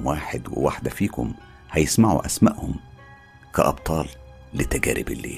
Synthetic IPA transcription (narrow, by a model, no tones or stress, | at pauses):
mwaːħɪd̪wɪ̰waħd̪æfiːkʊm | hæjɪsmaʕṵʔæsmaʔhʊm | kæʔɑb̚t̪ˤɑːl | lɪt̪ːæɡæ̰ːɾɪbɪlːḛː